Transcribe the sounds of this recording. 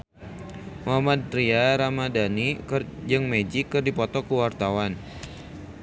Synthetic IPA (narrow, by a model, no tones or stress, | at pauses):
muɦamad̪̚riaɾamadanid͡ʒɨŋmed͡ʒikːɨrdipɔt̪ɔkuwart̪awan